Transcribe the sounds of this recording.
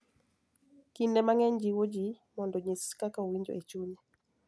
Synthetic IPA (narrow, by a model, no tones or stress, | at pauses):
kindɛmaŋɛɲd͡ʒiwod͡ʒi | mɔndɔɲeskakaowiɲd͡ʒo̰ʔet͡ʃuɲɛ